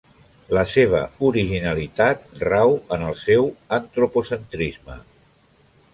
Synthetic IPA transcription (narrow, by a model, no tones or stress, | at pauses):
ləseβ̞ə̰uɾiʒinəlit̪at̪̚rawənəlˠsɛwənt̪ɾupusənt̪ɾizmə̰